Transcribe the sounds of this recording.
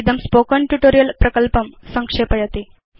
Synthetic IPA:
d̪əmspokəɳʈuʈoɾijəlpɾəkəlpəmsəŋkʂepəjɐt̪i

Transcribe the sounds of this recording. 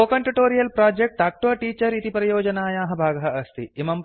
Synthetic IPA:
oːkɐɳʈuʈoːɾijɐlpɾaːd͡ʒek̚ʈaːk̚ʈʋɐʈiːt͡ʃɐɾit̪ipɾɐjoːd͡ʒɐnaːjaːɦɐbʱaːɡɐɦɐʔɐst̪ʰḭmɐmp

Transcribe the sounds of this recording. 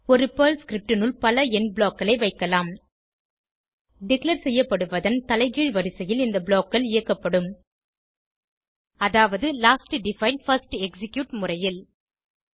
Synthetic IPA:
ɔɾɯpɐːlskɪɾɪp̚ʈɪnɯlpɐlɐɛnbɭoːkːɐlɐɪʋɐɪkːɐlaːm | ɖɪklɐɾsɛjːɐpːɐɽɯʋɐðɐnt̪ɐlɐɪɣiːɻʋɐɾɪsɐjɪlɪnd̪ɐbɭoːkːɐlɪjɐkːɐpːɐɽɯm | ɐðaːʋɐðɯlaːsʈɖɪfɐɪɳɖfɐɾsʈɛksɪkjuːʈmʊrɐjɪl

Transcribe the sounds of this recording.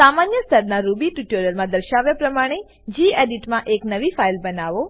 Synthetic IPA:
samanjəst̪ʰəɾnaɾubiʈuʈoɾjəlmãd̪əɾʃaʋjapɾəmaɽ̃e | d͡ʒieɖiʈmãʔeknəʋifailbənaʋo

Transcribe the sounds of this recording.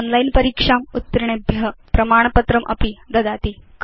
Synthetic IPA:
onlajnpɐɾiːkʂaːmut̪ːɐɾiɳebʱjɐpɾɐmaːɳ̃ɐpɐt̪ɾɐmʔɐ̰pid̪ɐd̪aːt̪ik

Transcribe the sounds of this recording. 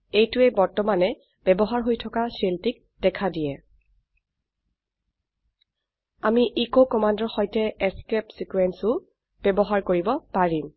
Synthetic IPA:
ejtʊɛbɔɹtɔmanɛ | b̥ɛbɔɦaɹɦojtʰɔkasiltik̚ | d̥ɛkʰadijɛ | amiʔikokɔmandɔɹxɔjtɛɛskɛpsikuɛnsʊ | b̥ɛbɔɦaɹkoɹibɔpaɹim

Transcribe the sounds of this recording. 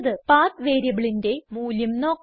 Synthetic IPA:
ðɨpaːt̪ʋe̞ːɾjɐʋɐɭinde̞muːlɐmno̞ːkː

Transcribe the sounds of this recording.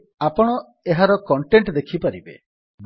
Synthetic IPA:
apɔɽ̃ɔ | eɦaɾɔkɔɳʈeɳʈd̪ekʰipaɾibḛ | b

